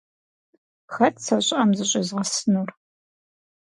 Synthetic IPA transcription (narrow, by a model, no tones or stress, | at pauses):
xɐtʰʼsɐɕʼɐmzɨɕʼɪzʁɐsnur